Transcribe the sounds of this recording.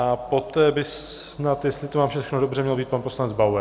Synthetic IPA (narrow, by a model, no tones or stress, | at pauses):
ʔapot̪ɛːbɪs | nat̪jɛst̪lɪt̪omaːmʃɛxnodobrɛmɲɛlbiːt̪̚panpo̞slanɛd͡zbawɛ